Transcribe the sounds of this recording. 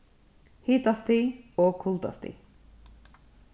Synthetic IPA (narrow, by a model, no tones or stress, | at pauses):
hiːt̪ast̪iɔkʰʊlt̪a̰st̪ḭ